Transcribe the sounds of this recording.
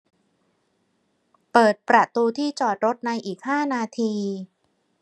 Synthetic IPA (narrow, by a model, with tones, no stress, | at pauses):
pɤː˨˩t̪̚pɾa˨˩t̪uː˧t̪ʰiː˥˩t͡ɕɔː˨˩t̪̚ɾo˦˥t̪̚na˧jʔiː˨˩k̚haː˥˩naː˧t̪ʰiː˧